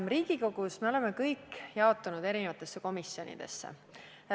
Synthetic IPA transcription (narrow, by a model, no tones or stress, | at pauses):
mriːɡ̥iko̞ɡ̥usme̞o̞lemekɤjkːjɑo̞t̪ːˑunud̪e̞ɾinevɑt̪ːˑe̞sːeko̞misjo̞nʲḭd̪̥ḛsːḛ